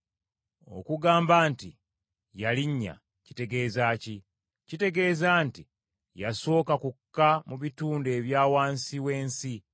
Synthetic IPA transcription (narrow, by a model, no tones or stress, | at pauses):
o̞̰kuɡaːmbaːnti | jaliɲːa̰ | ci̥te̞ɡe̞ːzaːci | cite̞ɡe̞ːzaːnti | jaso̞ːkakukːamuβituːnde̞ːβjaːwaːnsiwe̞ːnsi